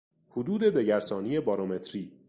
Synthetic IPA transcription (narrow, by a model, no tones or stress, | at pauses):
hod̪uːd̪e̞d̪e̞ɟæɾsɒːnije̞bɒːɾome̞t̪ʰɾiː